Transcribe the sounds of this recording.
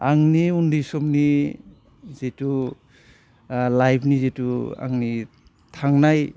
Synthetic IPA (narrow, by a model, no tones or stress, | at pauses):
aŋniundisɔmni | zetu | lajpʰnizetua̰ŋni | tʰaŋnaj